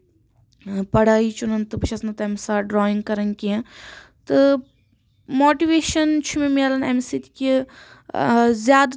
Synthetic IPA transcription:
pɐɽaːit͡ʃunɐnt̪ɨbɨt͡ʃʰɐsnɐt̪ɛmsaːɖɾɔːĩŋɡkɐɾɐŋkiɐ̃t̪ɨ | moːʈiʋeːʃɐnt͡ʃʰumẽmelɐnɛmsit̪i̥kʲi | zjaːd̪

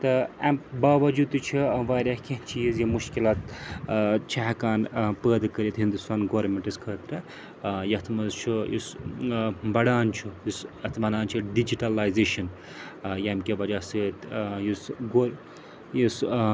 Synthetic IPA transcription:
t̪ɨɐmbaːʋɐd͡ʒud̪ɨt͡ʃʰiʋaːɾʲjahkʲeɦt͡ʃʰiizjimuʃkilaːt̪ | t͡ʃʰɐɦɐkaːnpəːd̪kɐɾit̪ɦind̪ust̪aːnɡoːɾɾmeɳʈiskʰɐːt̪ɾɐ | jɐt̪ʰmɐzt͡ʃʰujḭs | bɐɽaːnt͡ʃʰujisɐt̪ʰmɐnaːnt͡ʃʰiɖid͡ʒiʈalaːjzeːʃɐn | jɐmkʲeʋɐd͡ʒaːsɨt̪jisɡoɾ | jis

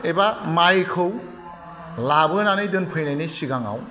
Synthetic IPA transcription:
ebamajkʰɯw | labɯnanɯjdɯnpʰɯjnajnɯjsiɡaŋa̰w

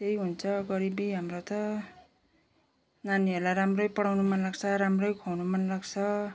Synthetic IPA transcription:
t̪ejɦunt͡sʰʌɡʌɾibiɦamrot̪ʌ | naniʌrlajɾamrʌjpʌɽawnumʌnlaɡt͡sʰʌɾamrʌjkʰownumʌnlaɡt͡sʰʌ

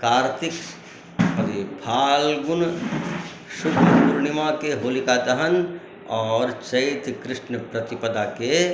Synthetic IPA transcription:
kaːɾt̪ʰɪk | ɐʋibʱʰaːlɡʊn | ʃʊkʰuɾnimakeɦoːlikaːt̪ɐɦən | ɔːɾt͡ʃɐit̪kɾɪʃnəpɾɐt̪ipɐd̪ake

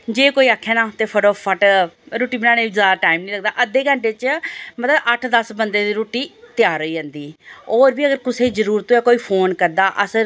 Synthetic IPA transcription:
d͡ʒeːkoːiːaːkʰːeːnãːt̪eːpʰəʈoːpʰːəʈɾoːʈiːbɪnaːneːizaːd̪aːʈaːimniːləɡ̚d̪aːʔəd̪ːeːkəɳʈeːt͡ʃmət̪ləbʔəʈʰd̪əsbənd̪eːd̪iːɾoːʈiːt̪ɪjaːɾəiːd͡ʒə̃ːnd̪iːɔːɾbiːəɡəɾkʊseːzəɾuːɾt̪õːjaːkoːiːpʰoːnkəɾd̪aːʔəsəɾ

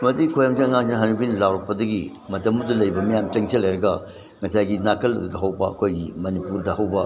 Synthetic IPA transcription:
mɐdikʰojamzeɐŋaŋsinɐɦanubinlawɾɐk̚pɐdɐɡi | mɐtɐmɐdulɐjbɐmijamt͡ʃɐŋsʰelːɐjɾɐɡɐ | ŋɐsajɡinakʰɐlɐ̰dudɐɦɐwbɐɐ̰kʰojɡimɐnipuɾdɐhɐwbɐ

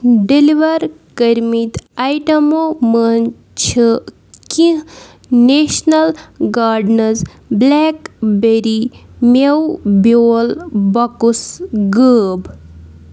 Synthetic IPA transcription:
ɖeliʋɐɾ | kəɾmit̪ajʈɐmomən | t͡ʃʰɨ | kĩ | neʃnɐlɡaːɾɖnɐz | bleːkbeɾimewbjoːlbɐkusɡəːb

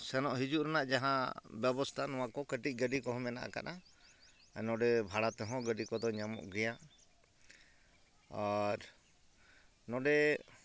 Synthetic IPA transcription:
sɛnɔʔɦid͡ʒuʔɾɛnaʔd͡ʒaɦãbjɛbɔst̪ʰanɔwakɔkəʈic̚ˀɡəɖikɔɦɔ̃mɛna̰ʔa̰ka̰ɗa | nɔɖɛbʱaɽat̪ɛɦɔ̃ɡəɖikɔd̪ɔɲamɔ̰ʔɡɛja | aɾ | nɔɖɛ

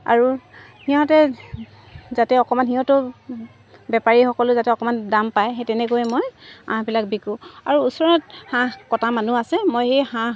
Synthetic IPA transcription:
a̰ɹu | hiɔ̃tɛ | zatɛɔkɔmanɦiɦɔ̃tʊ | bɛpaɹixɔkɔlʊzatɛɔkɔmandampajɦetɛnɛkojɛmɔjã̰ɦbilak̚bikũaɹuusɔɹɔt̚hãkɔtamanuasɛmojxejhã

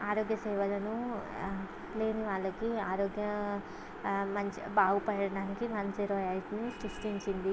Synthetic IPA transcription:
aːɾoːɡjɐsɛːʋɐlɐnu | le̞ːniʋaːɭːɐkiaːɾoːɡjɐ | mɐɲt͡ʃibaːɡupɐjɐɽɐɽaːnikimɐnseɾɔːjaːlʈnisisʈiɲt͡ʃind̪i

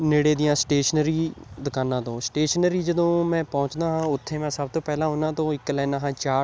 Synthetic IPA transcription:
neːɽeːd̪ɪjãːsʈeːʃənɾiːd̪əkʰaːnãːt̪õːsʈeːʃənɾiːd͡ʒəd̪õːmɛ̃ːpɔ̃ːt͡ʃd̪aːɦãːʊt̪ʰːeːmɛ̃ːsəb̚t̪õːpɛːlãːɦoːnãːt̪õːɪkːlɛːnãːɦãːt͡ʃaː

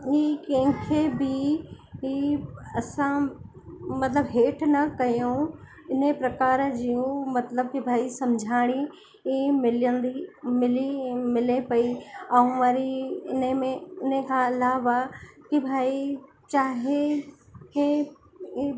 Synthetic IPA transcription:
iːkɐ̃ɦɪ̃kʰebʱi | ɦiɐsã | mɐt̪ləbɦeːʈʰnɐkɐjo | ɪnepɾɐkaːɾd͡ʑiũmɐt̪ləb̚kibʱaːisɐmd͡ʑʱaːɽ̃i | imɪlənd̪imɪlimɪlepɐiɐũmaɾiɪnəmẽɪnəkʰãɪlaːʋakibʱaːi | t͡ɕaːɦe | ɦe

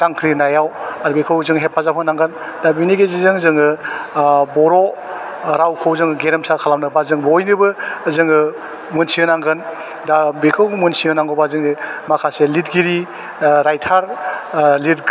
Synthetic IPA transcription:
z̥aŋkʰɾinajawaɾbekʰɯwzɯŋɦep̚pazapʰanaŋɡɯndabiniɡezizɯŋzɯŋɯ | bɔɾo | ɾawkʰɯwzɯŋɡeɾemsakʰalamnɯbazɯŋbɔojnɯbɯːzɯŋɯ | munsiɯnaŋɡɯn | dabekʰɯwmunsiɯnaŋɡɔbazɯŋimakʰaselitɡiɾi | ɾajtʰaɾ | lit

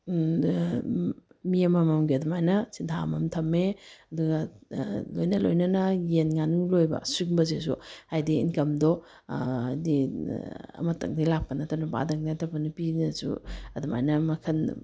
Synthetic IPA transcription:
miɐmɐmɐmɡiɐdumajnɐsintʰamɐmtʰɐmːeɐduɡa | lojnɐlo̰jnɐnɐjenŋanuŋlojbɐ̰suk̚bɐzes̬ṵhajdiḭnkɐmdɔ | di | ɐ̰mɐtɐ̰ŋ̚dajlak̚pɐnɐtʰɐnaba̰dɐŋ̚datʰɐpɐnɐpinɐsṵɐduma̰jnɐmɐkʰɐn

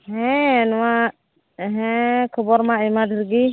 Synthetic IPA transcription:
ɦɛ̃nɔwa | ɦɛ̃kʰɔbɔɾmaɛmad̪ɾɡi

